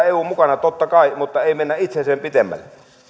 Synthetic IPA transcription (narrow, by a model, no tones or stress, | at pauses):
eˑuːmukɑnɑt̪ot̪ːɑkɑˑimut̪ːɑeˑimenːæʔʔit̪seseːmpit̪emːæ̰lːe